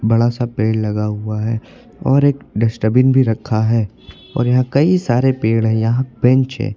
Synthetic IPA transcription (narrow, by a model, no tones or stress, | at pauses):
bɐɽasapeːɽlɐɡaɦʊaɦɛː | ɔːɾeːkɖɪsʈəbɪnbʱiɾɐkʰːaɦɛː | ɔ̰ːɾjɐɦãkɐisaːɾepeːɽɦɛ̃jɐɦãbɛ̃ɲt͡ʃɦɛ̰̃ː